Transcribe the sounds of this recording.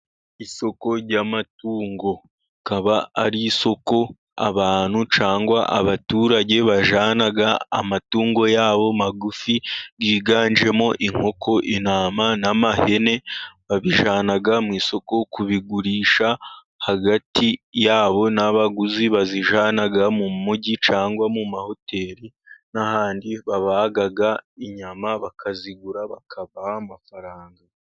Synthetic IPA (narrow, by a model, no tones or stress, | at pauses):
iso̞ko̞ɾɟamatuːŋɡo̞ | kaβaaɾiso̞ko̞ | a̰βaːn̥ut͡ʃaːŋɡwaʔa̰βatuːɾaɟe̞βaʒaːnaɡa̰ːmatuːŋɡo̞jaːβo̞maɡufiɡiːɡaːnd͡ʒe̞mo̞ʔiŋ̥ho̞kʰo̞ʔinaːmanamahe̞ne̞βaβiʒaːnaɡamwiːso̞ko̞kuβiɡuɾiːʃa | haɡatijaːβo̞naβaɡuziβaziʒaːnaɡamumuɟit͡ʃaːŋɡwamumaho̞tʰe̞ːɾi | nahaːndiβaβaɡaɡaiɲamaβakʰaziɡuɾaβakʰaβahamafaɾaːŋɡa